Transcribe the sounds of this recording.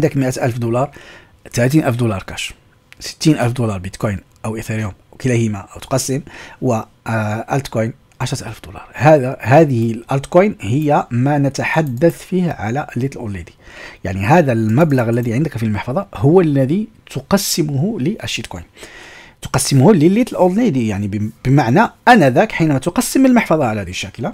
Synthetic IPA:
ʕnd̪əkməʔæt̪ʔælfd̪ulɑɾˤ | t̪alæt̪̬inʔælfd̪ulɑɾˤkæʃ | sə̥t̪ːinʔælfd̪ulɑɾˤbit̪kujn | ʔəwʔət̪iɾjumʔwkəlæhimaʔəwt̪qɑsːəmwə | ʔælt̪kojn | ʕaʃɾˤɑt̪ʔælfd̪ulɑ̰ɾˤhææhæd̪əhəlʔælt̪kujnhəjːæmænət̪aħad̪ːæθfihʕa̰læʔəlːit̪əlʔod̪nid̪i̥jaʕniɦæd̪ælmæbləɣəlːæðiʕənd̪əkfilməħfɑd̪ˤɑɦʊwːəlːæði | t̪ʊqɑsːəmʊhʊləʔæʃːid̪kojnt̪o̥qɑsːəmhuləlːit̪əlʔod̪nid̪ijaʕnib̥əmaʕnæʔænæd̪ækħinæmæt̪ʊqɑsːəməlməħfɑðˤɑʕalæhæd̪iəʃːækla

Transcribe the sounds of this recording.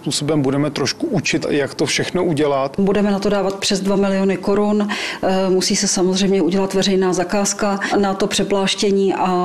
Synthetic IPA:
puːsobɛmbudɛmɛt̪ɾoʃkuʔut͡ʃɪt̪jakt̪ofʃɛxnoʔuɟɛlat̪budɛmɛnat̪o̞daːvat̪̚pr̥ɛzdvamɪlɪonɪko̞ɾʊn | musiːsɛsamozr̝ɛjmɲɛuɟɛlat̪vɛrɛjnaːzakaːskanat̪o̞pr̥ɛplaːʃcɛɲiːʔa

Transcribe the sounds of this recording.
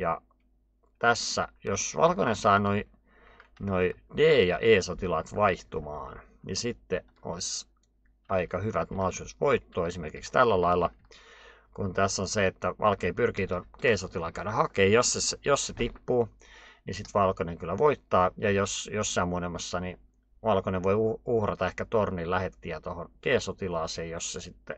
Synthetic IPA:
jɑ | t̪æsːæ̰josʋɑ̰lkonensɑːnoi | noideːjɑ̰ʔeːsot̪ilɑt̪ʋɑiht̪umɑ̰ːn | nḭsit̪ːe | o̰is | ɑikɑhyʋæt̪mɑːsut̪ʋoit̪ːoːesimerkikst̪ælːælɑilːɑ | kunt̪æsːonseet̪ːæʋʔɑ̰lkeipyrkit̪onkeːsot̪ilɑkæyɾæhɑkeːjossesejosset̪ipːuː | nisit̪ʋɑlkoneŋkylːæʋoit̪ːɑːjɑjosjosːɑimunemːɑsːɑni | ʋɑlkoneʋʋoiuuhrɑt̪ɑehkæt̪orniːllæhet̪ːiæt̪ohonkeːsot̪ilɑːseːjjosːesit̪ːe

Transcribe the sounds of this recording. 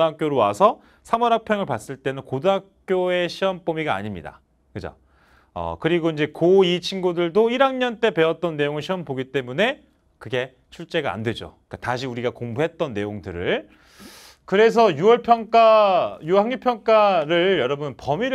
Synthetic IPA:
ɦak͈̚joɾowa̰sʰʌ | sʰamʌɾak̚pʰjʌŋɯɭpas͈ɯɭt͈e̞nɯnkoduɦak̚k͈joe̞ɕʰiʌmp͈omiɡa̰ːɲimɲḭda̰ | kɯd͡ʑo̰ | ʌ̰kɯɾiɡoind͡ʑe̞koit͡ɕʰinɡudɯɭdoiɾaŋɲʌnt͈e̞pe̞ʌt̚t͈ʌnːe̞joŋɯɭɕʰiʌmpoɡit͈e̞mune̞ | kɯɡe̞ | t͡ɕʰuɭt͡ɕ͈e̞ɡaa̰ndwe̞d͡ʑo̰ik͈ataɕʰiuɾiɡakoŋbuɦe̞t̚t͈ʌnːe̞joŋdɯɾɯ̰ɭ | kɯɾe̞s̬ʰʌjuʌɭpʰjʌŋk͈ajuhaŋɲupʰjʌŋk͈aɾɯɭjʌɾʌbunpʌmiɾ

